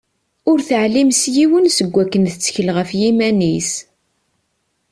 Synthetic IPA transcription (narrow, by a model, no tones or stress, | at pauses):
ʊɾθəʕlimsjiwənsəɡʷːækːənθət͡sːçəlʁəfjimænis